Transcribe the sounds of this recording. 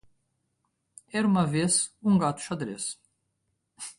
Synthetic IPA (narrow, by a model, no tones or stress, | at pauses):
ɛɾmavisuŋɡaːt̪ʃad̪ɾɛ̰s